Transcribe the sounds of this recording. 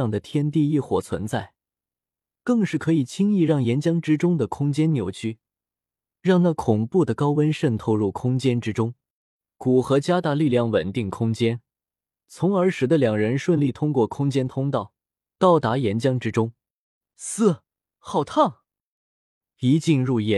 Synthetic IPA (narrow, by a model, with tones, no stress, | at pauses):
ɑ˥˩ŋd̪ə˩t̪ʰjɛ˥nt̪i˥˧i˥˩xwɔ̰˨˩t͡sʰwə̰˧˥nt͡sa˥˩ɪ | kɤ˥˧ŋʂɻ̩˥˩kʰɤ˧˥i˨˩t͡ɕʰi˥ŋi˥˧ɻɑ˥˩ŋjɛ˧˥nt͡ɕjɑ˥ŋʈ͡ʂɻ̩˥ʈ͡ʂʊ˥ŋd̪ə˨kʰʊ˥ŋt͡ɕjɛ˥nnjo˧˥ʊt͡ɕʰy˥ | ɻɑ˥˧ŋna˥˩kʰʊ˨˩ŋpu˥˩d̪ə˩kɑ˥ʊwə˥nʂə˥˩nt̪ʰo˥ʊɻu˥˩kʰʊ˥ŋt͡ɕjɛ˥nʈ͡ʂɻ̩˥ʈ͡ʂʊ˥ŋ | ku˨˩xɤ˧˥t͡ɕja˥t̪a˧˥li˥˧ljɑ˥˩ŋwə˨˩nt̪i˥˩ŋkʰʊ˥ŋt͡ɕjɛ˥n | t͡sʰʊ˧˥ŋə˞˧˥ʂɻ̩˨˩d̪ə˧ljɑ˨˩ŋɻə˧˥nʂwə˥˧nli˥˩t̪ʰʊ˥ŋkwɔ˥˩kʰʊ˥ŋt͡ɕjɛ˥nt̪ʰʊ˥ŋt̪ɑ˥˩ʊ | t̪ɑ˥˩ʊt̪a˧˥jɛ˧˥nt͡ɕjɑ˥ŋʈ͡ʂɻ̩˥ʈ͡ʂʊ˥ŋ | sɹ̩˥˩ | xɑ˥˩ʊt̪ʰɑ˥˩ŋ | i˧˥t͡ɕi˥˧nɻu˥˩jɛ˧˥